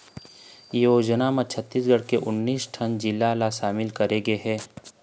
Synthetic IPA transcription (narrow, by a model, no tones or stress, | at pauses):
joːd͡ʒnamãt͡ʃʰət̪ːiːsɡəɽkeʔʊnːiːsʈʰɐnd͡ʒɪlːalaʃaːmɪlkɐɾeɡeɦɛː